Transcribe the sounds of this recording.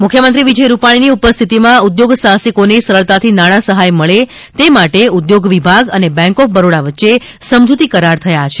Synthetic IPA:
mukʰjəmənt̪ɾiʋid͡ʒəjɾupaɽ̃iniupəst̪ʰit̪imãud̪joɡsãsikonesəɾəɭt̪at̪ʰinaɽ̃asəɦajməɭe | t̪emaʈeud̪joɡʋibʱaɡənebɛ̃ŋkɔfbəɾoɽaʋətːʃe | səmd͡ʒut̪ikəɾaɾt̪ʰəjat͡ʃʰe̥

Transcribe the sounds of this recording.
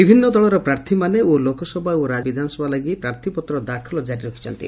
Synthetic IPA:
bibʱinːɔd̪ɔɭɔɾɔpɾaɾt̪ʰimaneolokɔsɔbʱauɾad͡ʒbid̪ʱanɔsɔbʱalaɡipɾaɾt̪ʰipɔt̪ɾɔd̪akʰɔlɔd͡ʒaɾiɾɔkʰi̥t͡ʃʰɔnt̪ḭ

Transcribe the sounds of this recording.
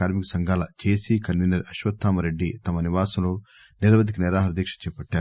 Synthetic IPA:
aːɾmikɐsɐŋɡʱaːlɐ̰t͡ʃeːsikɐnʋiːnɐɾɐʃʋɐt̪ʰːaːmɐɾeɖːit̪ɐmɐniʋaːsɐmlo̞ː | niɾʋɐd̪ʱikɐnɛɾaːɦɐɾɐd̪iːkʂɐt͡ʃɛːpɐʈːaːɾu

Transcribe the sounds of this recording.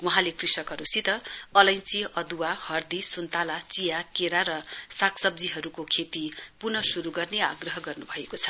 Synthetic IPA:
wuɦãlekrisʌkɦʌɾusit̪ʌʌlʌjnt͡siʌd̪uwahʌrd̪isunt̪alat͡sijakeɾaɾʌsakʰsʌb̚d͡ziɦʌɾukokʰet̪ipurnʌsuɾuɡʌrnea̰ɡrʌɦʌɡʌrnubʱʌekot͡sʰʌ̥

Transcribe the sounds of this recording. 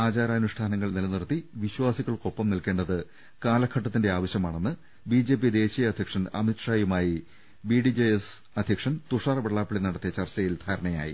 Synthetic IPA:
aːt͡ɕaːɾaːɐnuʂʈʰaːnɐŋːɐɭnilɐnirt̪ːiʋiɕwaːsiɣɐɭko̞pːɐmnilke̞ːɳɖɐðɨ | kaːlɐkʰɐʈːɐt̪ːinde̞aːʋɐɕjɐmaːɳe̞nːɨ | biːd͡ʑe̞ːp̬ijɐd̪e̞ːɕijɐɐd̪ʱjɐkʂɐnɐ̰mitʂaːjumaːji | biːɖid͡ʑejes | ɐd̪ʱjɐkʂɐnt̪uʂaːrɐbeɭːaːpːiɭinɐɽɐt̪ːijɐt͡ɕɐrt͡ɕɐjild̪ʱaːɾɐɳɐja̰ːjḭ

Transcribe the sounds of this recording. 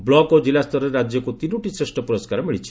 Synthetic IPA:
blɔɡod͡ʒilast̪ɔɾɔeɾad͡ʒjɔkut̪inuʈisɾesʈɔpuɾɔskaɾɔmiɭit͡ʃʰi̥

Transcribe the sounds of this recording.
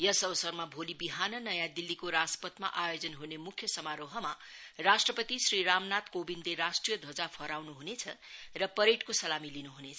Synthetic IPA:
jʌsʌbʌsʌrmabʱolibiɦanʌnʌjãd̪ilːikoɾaspʌt̪ma̰ʔajod͡zʌnɦunemukʰjʌsʌmaɾoɦʌma | rasʈrʌpʌt̪isriɾamnat̪kobinleɾasʈrijʌd̪ʱʌd͡zapʰʌɾawnuɦunet͡sʰʌrʌpʌɾeʈkosʌlamilinuɦunet͡sʰʌ

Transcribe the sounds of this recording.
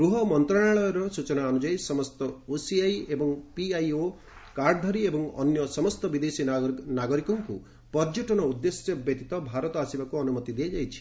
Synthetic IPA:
ɡɾuɦɔmɔnt̪ɾaɽaɭɔjɔɾɔsut͡ʃɔnaːnud͡ʒajsɔmɔst̪ɔosiajebɔŋpiajo | kaɾɖɔd̪ʱɔɾiebɔŋɔ̰njɔsɔmɔst̪ɔbid̪esinaɡɔɾikɔŋkṵ | pɔd͡ʒɔʈɔnɔud̪ːesjɔbjet̪it̪ɔbʱaɾɔt̪ɔasibakuɔnumɔt̪id̪iad͡ʒajt͡ʃʰi̥

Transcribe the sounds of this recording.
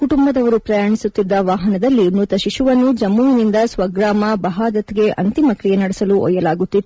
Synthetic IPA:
kuʈumbɐd̪ɐʋɐɾupɾɐjaːɳisut̪ːid̪ːɐʋaːɦɐnɐd̪ɐlːimut̪ɐʃiʃuʋɐnːud͡ʒɐmːuːʋinind̪ɐsʋɐɡɾaːmɐbɐɦaːd̪ɐt̪ɛɡe̞ʔɐnt̪imɐkɾijenɐɽɛsɐluʔɔ̰jːɐlaːɡut̪ːit̪ː

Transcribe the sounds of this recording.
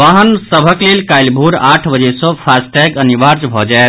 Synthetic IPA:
ʋaɦənsəbʱəklelkajlbʱuɾaʈʰbəd͡ʒesə̃pʰasʈɛɡənibaɾd͡ʒbʱɔd͡ʒaet̪

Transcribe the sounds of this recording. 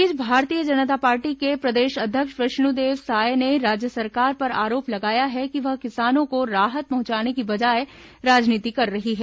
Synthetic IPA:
ɪd͡ʒbʱaːɾt̪ijəd͡ʒɐnət̪̬apaːɾʈikepɾɐd̪eːʃɐd̪ʱjəkʃʋɐʃnud̪eːʋsaːeneɾaːd͡ʒjəsɐɾkaːɾpɐɾa̰ːɾoːplɐɡaːjaɦɛkiʋɐɦkɪsaːnõkoɾaːɦət̪̚pɐɦʊ̃t͡ʃaːnekibɐd͡ʒaːe | ɾaːd͡ʒniːt̪ikɐɾːɐɦiɦɛː

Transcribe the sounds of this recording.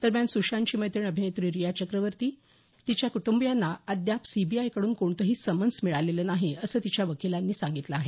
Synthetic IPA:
d̪̥əɾmjansuʂaɲt͡ɕiːməjt̪əɳəbʱinet̪ɾiːɾijat͡ɕəkɾəʋəɾt̪iː | t̪it͡ɕjakuʈumbjanːaəd̪japsibiajkəɽuːnkoɳt̪əɦiːsəmənsmiɭaleləːnaɦiəsəːt̪it͡ɕjaʋəkilanːiːsaŋɡit̪ləaɦe

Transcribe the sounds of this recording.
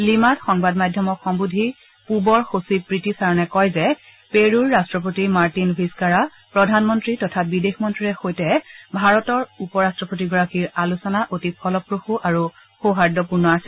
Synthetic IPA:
limatxɔŋbadmajdʱjɔmɔkxɔmbudʱi | pubɔɹxosipɹitisaɹɔnɛkɔjzɛ | peɹuɹːastɹɔpotimaɹtinbʱiskaɹa | pɹɔdʱanmɔntɹitɔtʰabidexmɔntɹiɹɛxojtɛbʱaɹɔtɔɹupɔɹastɹɔpotiɡɔɹakiɹalusɔnaʔotipʰɔlɔpɹoxuʔaɹu | xoɦaɹdɔpuɹnɔasɛ

